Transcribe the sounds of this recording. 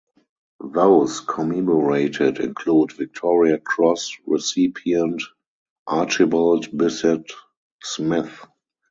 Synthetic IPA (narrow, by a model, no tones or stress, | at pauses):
ðoʊskʰɔmɛmɔɹeɪtʰɪdɪ̰̃nkʰluːdvɪk̚tʰɔɹiakʰɹɔsɹɛsipʰiə̃nt | ʔat͡ʃibɔltbɪsɛt | smɪθ